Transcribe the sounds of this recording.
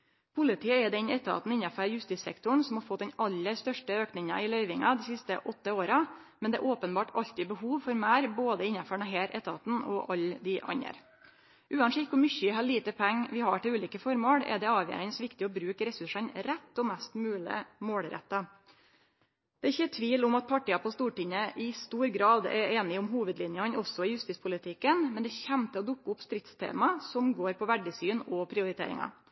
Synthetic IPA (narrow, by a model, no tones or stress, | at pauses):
pʰʊlɪt̪ʰiːəɛd̪ɛnɛt̪ːəɑ̰ːt̪n̩ɪnːɑfœɾjʉst̪iːt̪sɛ̰kt̪ʊɳ̩sɔmhɑɾfɔt̪̚d̪ɛnɑlːəɾst̪œʂʈəøːknɪŋɑ̰ɪlœʏʋɪŋɑd̪ɪsɪst̪əʔɔt̪ːəoːɾɑ | mɛnd̪ɛ̰ʔoːpənbɑːʈɑʎt̪ɪbəhuːʋfɔɾmæːɾboːd̪əɪnːɑfɔɳɑɦeːɾʔɛ̰t̪əɑ̰ːt̪n̩ɔ̰ʔɑld̪ɪʔɑ̰ɲə̰ɾ | ʔʉːɑnʂɪkkʊmʏçəɪɦɑːliːt̪əpʰæŋːʋɪhɑʈɪlʉːliːkəfɔɾmɔɽɛ̰d̪ɛɑːʋjḛːɾɪnsʋɪkt̪ɪɔbɾʉːkɾɛsʉʂənɾɛt̪ːɔmɛst̪mʉːlɪ̰moːɽɾɛ̰t̪ːɑ | d̪̥ɛːɪçːət̪ʰʋiːlʊmɑt̪̚pʰɑʈiːɑpʰɔst̪uːʈɪɲəʔɪst̪uːɾɡɾɑːd̪ɛ̰eːnɪʊmɦuːʋəd̪lɪnjəɑnɔsːɔɪjʉst̪iːspʰʊlɪt̪ʰɪkːənmɛnd̪ɛçæmt̪əɔd̪ʊkːəʊpst̪ɾɪt̪st̪ʰḛːmɑsɔmɡoːɾpʰɔʋæɖəsyːnɔpʰɾɪʊɾɪt̪ḛːɾɪ̰ŋɑ̰